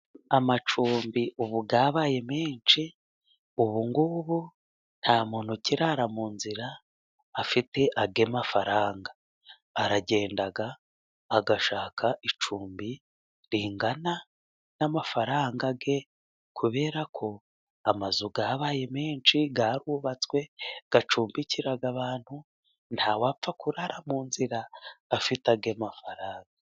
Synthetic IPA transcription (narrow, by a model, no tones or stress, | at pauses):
amat͡ʃuːmbiʔuβuɡaːβaːje̞meːnt͡ʃi | uβuŋɡuβu | n̥haːmon̥uciɾaɾamuːnziɾaː | fite̞ʔaɡe̞mafaɾaːŋɡaː | ɾaɟe̞ːndaɡaː | ɡaʃaːkʰaʔit͡ʃuːmbi | ɾiːŋɡana | namafaɾaːŋɡaɡe̞ | kʰuβe̞ːɾakʰo̞ | amazuɡaβaːje̞meːnʃiɡaɾuβat͡swe̞ɡ̥at͡ʃuːmbiciɾaɡaβaːn̥hu | ntʰhawap̪p͡fakuɾaɾamuːnziɾaːfitaɡe̞mafaɾaːŋɡa